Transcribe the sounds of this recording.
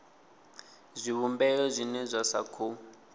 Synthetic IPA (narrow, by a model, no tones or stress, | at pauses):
zʷiβumbɛjɔzʷinɛzʷasa̰kʰu